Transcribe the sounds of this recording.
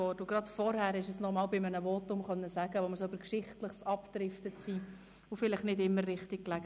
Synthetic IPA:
ɔdʊɡrɑtfɔɾhæɾɛɪʃəsnɔʁmɑːlbɪmənəvɔtʊmχœnːəsæɡəʋoməɾsybəɾkʃɪχtləχsɑptɾɪftəsiː | ʊfɪlɪχnɪdɪmːərrɪχtik̚klæɡ

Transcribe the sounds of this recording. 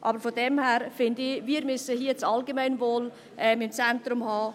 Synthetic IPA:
ʔɑbəɾfodɛmhɛːɾfɪndɪviːɾmʏsəɦiət͡sɑlɡemaɪnvoːl | ʔɛmɪmt͡sɛntɾʊmhɑː

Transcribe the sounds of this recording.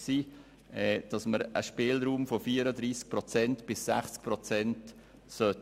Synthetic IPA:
siː | ɛd̥ɑsməɾʔə̰ʃpɪːlɾuːmfofiːəɾəd̪ɾiːsk̚pɾɔt͡sɛntb̥ɪsːæ̰χt͡sk̚pɾɔt͡sɛnt | sœt

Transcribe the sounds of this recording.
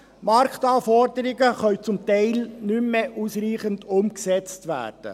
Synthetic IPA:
mɑɾkt̪ɑːfɔɾdəɾɪɡəχœɥt͡sʊmt̪ɛɪlnymːeʔusriːχəndʊmksɛt͡stʋæ̰ːɾd̥ə̰

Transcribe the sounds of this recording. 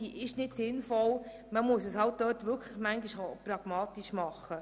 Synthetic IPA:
iʔɪʃnɪtsɪnfɔl | məmʊsəshɑlt̚dœːtʋʏkʰləχmæŋɡiʃopɾɑɡ̥mɑːtiʃmɑχːə

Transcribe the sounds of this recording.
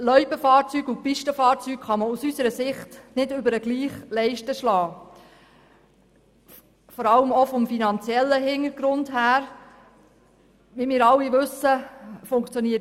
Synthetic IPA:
lœʏbəfɑːɾt͡syːɡupiʃtəfɑːɾt͡syːkχɑməusysəɾəsɪχtnɪdʏbəɾəɡliːχlɛɪʃtəʃlɑː | fɔɾɑləmɔfɔmfinɑnt͡sjɛlːəɦɪŋəɾɡɾʊndɦæːɾ | ʋimɪːɾɑlːiʋɵsəfʊŋkt͡sjoniə

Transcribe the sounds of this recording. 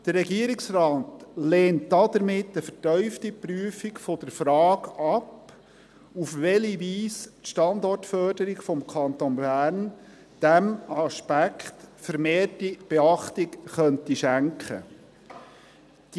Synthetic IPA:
d̥əɾɾɛɡiəɾɪksrɑːtleːntdɑd̥̪əɾmɪtːəfəɾtœʏftipryəfikfɔd̥əɾfɾɑːɡɑp | ufʋɛliʋiːstʃtɑnd̪ɔrtfœdəɾɪɡfɔmkʰɑnt̪onbæːɾn | d̥æmɑʃpækχtfəɾmeːrtib̥eɑχtɪkχœntiʃæŋkχə̰ | d̥

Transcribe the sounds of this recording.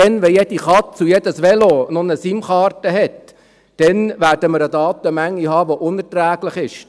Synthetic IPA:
ɛnʋɛjɛd̥iχɑtt͡sujɛd̥̪əsʋɛlonʊnəsimχɑːrtəɦɛt̪ː | d̥ɛnʋæːɾdəməɾədɑːt̪əmæŋːiɦɑːʋoʔʊnɛtɾæːɡlɪχɪʃ

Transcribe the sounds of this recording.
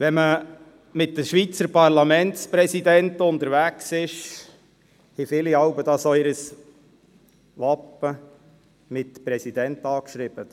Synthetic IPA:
ʋɛmə | mɪt̚dəʃʋit͡səɾpɑʁlɑmɛntspɾɛsid̪ɛntʊnt̪əɾʋæksɪʃ | hifɪliɑʊbəd̥̪ɑsoɪɾəs | ʋɑpːə | mɪtpɾɛsid̥̪ɛntɑːkʃɾiːb̥ət

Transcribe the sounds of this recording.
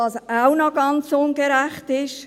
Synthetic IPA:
ɑsaʊnɔɡɑnt͡sʊnɡəɾæχtɪʃ

